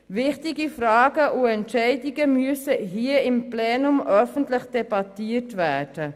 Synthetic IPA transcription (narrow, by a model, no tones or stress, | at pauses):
vɪχtiɡifraːɡəʔʊɛntɛɪdɪɡəmyəsəɦiːəɪmplɛːnʊmʔœfən̩tlɪχd̥ɛbɑtiːətvæːd̥ə